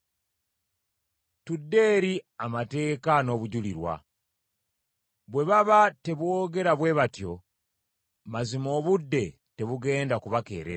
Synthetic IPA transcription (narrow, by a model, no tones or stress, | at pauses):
tudːe̞ːɾiamate̞ːkano̞ːβuɟuliɾwa̰ | βwe̞βaβate̞βwo̞ːɡe̞ɾaβwe̞βatjo̞ | mazimo̞ːβudːe̞ | te̞βuɡe̞ːndakuβake̞̰ːɾḛ